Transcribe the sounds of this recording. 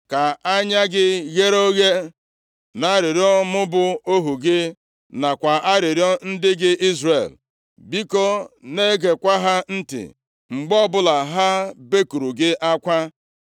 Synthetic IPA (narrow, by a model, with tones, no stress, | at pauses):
ka˨a˦ɲa˦ɡɪ˦ɣe˦ɾo˦ɣe˦ | na˨˦ɾɪ˨ɾi˦ɔ˦mʊ˦bʊ˦o˦ɦu˨ɡɪ˦ | na˨kʷa˨ʔa˦ɾɪ˨ɾi˦ɔ˦n̩˦dɪ˦ɡɪ˦ʔi˦zrḛ˨l | bi˦ko˦ne˦ɡe˨kʷa˦ɦa˦n̩˦tɪ̰˨ | ŋ͡m̩˨ɡ͡bɔ˦bʊ˦la˨ɦa˦be˦ku˨ɾu˨ɡɪ˦ʔa˦kʷa˦